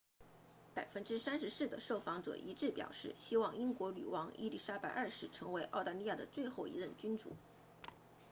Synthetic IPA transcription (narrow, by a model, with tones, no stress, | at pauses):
pa˨˩ɪfə˥nʈ͡ʂɻ̩˥sa˥nʂɻ̩˧˥s̩˥˩d̪ə̰˩ʂo˥˩ʊfɑ˧˥ŋʈ͡ʂɤ̰˨˩ʔi˧˥ʈ͡ʂɻ̩˥˩pjɑ̰˨˩ʊʂɻ̩˥˩ɕi˥wɑ˥˩ŋi˥ŋkwɔ˧˥ly̰˨˩wɑ˧˥ŋḭ˥˧li˥˩ʂa˥pa˨˥˩ɪʔə˞˥˧ʂɻ̩˥˩ʈ͡ʂʰɤ˧˥ŋwe˧˥ɪʔɑ˥˧ʊt̪a˥˧li˥˧ja˥˩d̪ə˩t͡swe˥˧ɪxo˥˩ʊḭ˧˥ɻə˥˩nt͡ɕy˥nʈ͡ʂṵ˨˩˦